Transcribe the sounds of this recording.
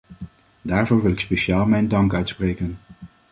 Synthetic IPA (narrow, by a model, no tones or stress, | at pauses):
daːɹvʊːɹʋɪlɪkspejʃaːlˠmɛjndɑŋkœɥtsprejkən